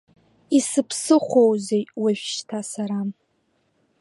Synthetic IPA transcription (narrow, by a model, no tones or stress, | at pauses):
isɨpʰsɨχʷowzejwaʒʷᶣʃtʰasaɾam